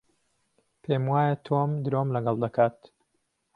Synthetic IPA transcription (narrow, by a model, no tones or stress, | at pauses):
pʰeːmwaːjət̪ʰomd̪ɨɾomlɐɡɐlˠd̪ɐkʰaːt̪